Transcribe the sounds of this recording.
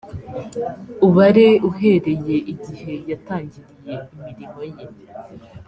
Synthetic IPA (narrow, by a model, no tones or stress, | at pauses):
uβaɾeuɦe̞ɾe̞je̞ʔiɟihe̞jataːɲɟiɾije̞imiɾimo̞je